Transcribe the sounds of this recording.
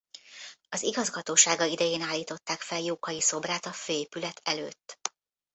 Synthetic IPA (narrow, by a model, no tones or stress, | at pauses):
ɒziɡɒzɡɒt̪oːʃaːɡɒid̪ɛjeːnaːlːiːt̪o̞t̪ːaːkfɛljoːkɒjiso̞braːt̪ɒføːeːpylɛt̪ʰɛlø̰ːt̪ː